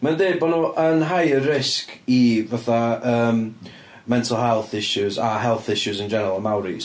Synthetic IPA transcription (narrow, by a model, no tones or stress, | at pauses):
mandeːd̚bɔnoːʔənɦajəɾɪskʰivaθaəːm | mɛntʰəlˠɦɛlˠθɪʃʊzaɦɛlˠθɪʃʊzɪnd͡ʒɛnɛɾalˠəmawɾi